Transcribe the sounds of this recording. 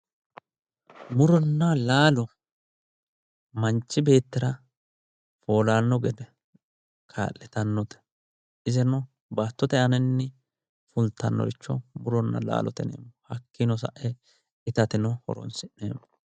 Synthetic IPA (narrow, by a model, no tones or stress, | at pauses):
mʊɾɔnːɐlaːlɔ | mɐnt͡ʃːɪbe̞ːt̪ːɪɾɐ | fo̞ːlaːnːɔɡɛd̪ɛ | kʰa̰ːʔːɛt̪ɐnːɔt̪ɛ̥ | ɪzɛnɔ | baːt̪ːɔt̪ɛɐnɛnːɪ | fʊlt̪ːɐnːɔ̰ɡɪt͡ʃːɔmʊɾɔnːɐ̰la̰ːlɔ̰t̪ɛnḛːmːɔhɐkːɪnɔs̬ɐ̰ʔɛ | ɪt̪ɐt̪ɪnɔhɔ̰ɾɔ̰nsɪnnḛːmːɔ